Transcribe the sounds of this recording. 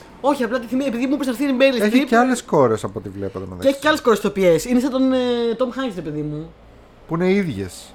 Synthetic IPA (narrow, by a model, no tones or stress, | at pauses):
o̞çiɐplɐt̪iθimiepiðimupɾst̪ɐɾθit̪imeɾilisseç̪iceɐlesko̞ɾesɐpot̪ivlepɐt̪enɐ̰ðeeçi̥eɐle̞sko̞ɾst̪o̞pie̞sinesɐt̪ont̪omxɐɲʝst̪ɾepeðimu | puine̞iðʝḛs